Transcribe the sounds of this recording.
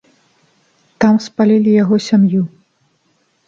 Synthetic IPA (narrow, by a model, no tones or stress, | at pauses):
t̪amspalʲilʲijaɣɔsʲamju